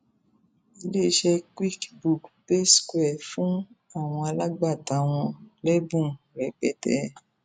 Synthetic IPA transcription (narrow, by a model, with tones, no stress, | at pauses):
i˧le˦ʃɛ˧kwi˦kbu˨kpe˦skwɛ˦˨fũ˦ | a˦˨w̃ɔ̃˧a˧la˦ɡ͡ba˦˨tã˨˦w̃ɔ̃˧lɛ˦bũ˦˨ | ɾɛ˨k͡pɛ˦tɛ̰˧